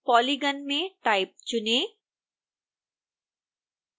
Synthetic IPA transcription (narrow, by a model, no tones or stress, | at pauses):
pɔliɡənmẽʈaip̚t͡ʃune